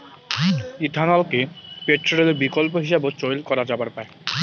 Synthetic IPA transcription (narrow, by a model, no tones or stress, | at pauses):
id̪ʱanalkepeʈːoɾeleɾbikolp̬oɦiʃebot͡ɕojlkɔɾad͡ʑabaɾpae